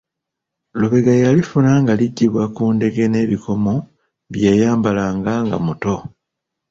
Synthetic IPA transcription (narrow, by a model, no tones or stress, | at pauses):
luβe̞ɡajalifunaŋɡaliɟːiβwakuːnde̞ɡe̞ne̞ːβikʰo̞mo̞ | βjejaːmbalaːŋɡaŋɡa̰muto̞